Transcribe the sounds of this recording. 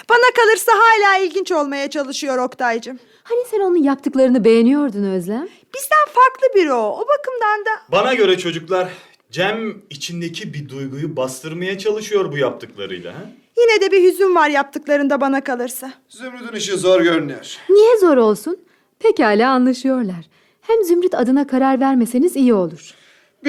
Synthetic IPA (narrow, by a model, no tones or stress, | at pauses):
b̥anakalˠɯɾsaɦaːlʲaːilʲɟint͡ʃo̞lˠmajat͡ʃʰalˠɯʃɯjo̞ɾokt̪ʰajd͡ʒɯm | hanisɛno̞nunjap̚t̪ʰɯklˠaɾɯnɯbe̞jenijo̞ɾd̪unø̞zlʲæm | b̥izd̪ænfaɾklˠɯbiɾoobakʰɯmd̪and̪abanaɟø̞ɾɛt͡ʃʰo̞d͡ʒuklˠaɾ | d͡ʒæmit͡ʃʰind̪ecʰibid̪ujɡujubast̪ʰɯɾmajat͡ʃʰalˠɯʃɯjo̞ɾbujap̚t̪ʰɯklˠa̰ɾɯ̰jlˠa̰ | jinɛd̪ɛbiɦyzymvaɾjap̚t̪ʰɯklˠaɾɯnd̪abanakalˠɯɾsa | zymɾyd̪yniʃizoɾɟøɾnø̰ɾ̥nijɛzo̞ɾo̞lˠsun | pʰechaːlʲaːnlˠaʃɯjo̞ɾlˠaɾ̥ | hæmzymɾyt̪ʰad̪ɯnakʰaɾaɾvæɾme̞se̞nizijio̞lˠuɾ̥